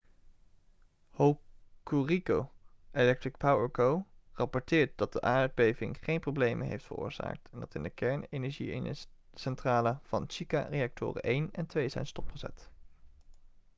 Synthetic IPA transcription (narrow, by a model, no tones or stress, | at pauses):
howkurikowʔelɛk̚trɪk̚pawəɹkowrɑpɔɹtɪːɹt̚dɑd̚dəʔaːd̚bejvɪ̰ŋχejnprowblejmʔənɦḛjftfə̰rʊ̰ːɹz̥a̰ːk̚tʰɛndɑtɪndəkɛɹnejnɛɹʒḭ | sɛntraːləv̥ɑnʃika̰rejɑk̚tʰʊ̰ːrə̰ʔejnɛntʋejzɛ̰jnstɔpχəzɛ̰t